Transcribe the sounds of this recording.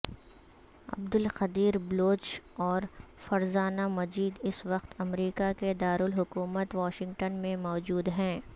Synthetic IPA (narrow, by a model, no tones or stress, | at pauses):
ɐ̰b̚d̪ʊlxɐd̪iːɾbloːt͡ʃɔːɾfɐɾzaːnamɐd͡ʒiːd̪ɪsʋɐqt̪ɐmɾiːkaked̪aːɾʊlɦʊkuːmət̪ʋɔːʃɪ̃ŋɡʈənmẽmɔːd͡ʒuːd̪ɦɛ̃ː